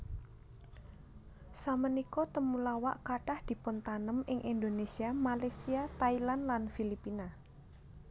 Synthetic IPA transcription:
samənikɔt̪əmulawa̰ʔkaɖ̥ahd̪̥i̤pʊnt̪anəmɪŋʔind̪onesiamalasiat̪ailanlanfilipina

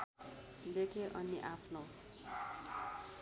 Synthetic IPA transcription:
d̪ekʰeʔʌniʔapʰno

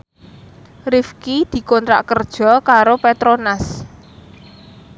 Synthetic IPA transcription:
rifkid̪̥i̤kɔnt̪ɾa̰ʔkərd̥ʒ̥ɔ̤kaɾopet̪ɾonas

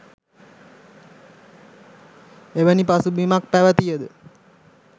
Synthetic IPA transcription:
eʋənipasubimak̚pæʋət̪ijəd̪ə

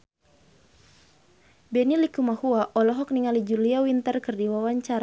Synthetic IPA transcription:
bɛnilikumahuaʔɔlɔɦɔk̚niŋalid͡ʒuliawint̪ərkɨrdiwawaɲt͡ʃaɾa

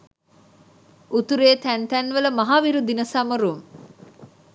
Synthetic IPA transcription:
ʔut̪uɾeːt̪ænt̪ɛnʋələmɐɦaːʋiɾud̪inəsɐməɾuŋ

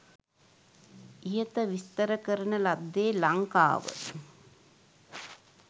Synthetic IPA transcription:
ijɐt̪ɐʋist̪ɐɾɐkɐɾɐnɐlɐd̪ːeːlɐŋka̰ːʋə̰

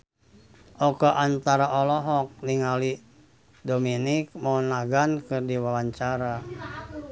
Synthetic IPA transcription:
ʔɔkaʔant̪aɾaʔɔlɔɦɔk̚niŋali | dominik̚manaɡankɨrdiwawaɲt͡ʃaɾa

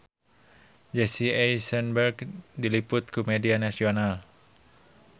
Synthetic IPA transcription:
d͡ʒesiejsɛnbɛrkdilipʊt̪̚kumedianasional

